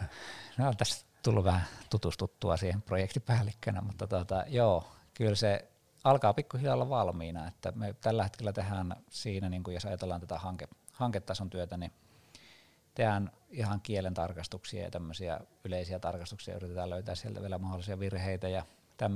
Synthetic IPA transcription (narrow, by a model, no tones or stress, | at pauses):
neont̪æst̪ulːuʋæhæt̪ut̪ust̪ut̪ːuɑ̰siːhemprojekt̪ipæːlːikːønæ̰mut̪ːɑt̪uot̪ɑjoː | kylse | ɑlkɑːpikːuhilolːɑʋɑlmiːnɑet̪ːæ̰met̪ælːæhet̪kelːæt̪ehænsiːnæniːŋkujosɑjɑt̪elːɑːnt̪æt̪æhɑŋke | hɑŋket̪ːɑˑsont̪yøt̪æni | t̪ehænihɑŋkielent̪ɑrkɑst̪uksiɑ̰jɑ̰t̪æmːøsiɑ̰yleˑisiæt̪ɑrkɑst̪uksiɑ̰yrit̪et̪ɑːløˑyt̪æːssielt̪æ̰ʋielæmɑholːˑisiɑʋirheˑit̪æjɑ | t̪æmː